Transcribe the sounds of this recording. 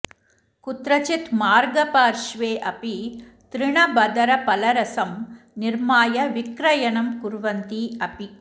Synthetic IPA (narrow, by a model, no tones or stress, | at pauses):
kʊt̪ɾɐt͡ʃɪt̪maːɾɡɐpaːɾʂʋeːʔɐpi | t̪ɾɪɳɐbɐd̪ɐɾɐpɐlɐɾɐsɐm | nɪɾmaːjɐʋɪkɾɐjɐɳɐmkʊɾʋɐnt̪iɐpi